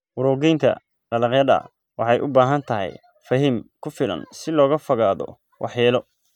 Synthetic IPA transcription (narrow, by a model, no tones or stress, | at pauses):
wʊɾɔːɣɛjnt̪ʰɐ̰ | qɑlɐqjɐðɐ̰ | wɑ̰ħɑjʔʊbaːɦɐnt̪ʰɐɦɛ̰j | fɐɦimkʰʊfɪlɐ̰nsɪlɔːɣɐfɐɣaːðɔ̰ | wʔɑ̰ħjɛːlɔ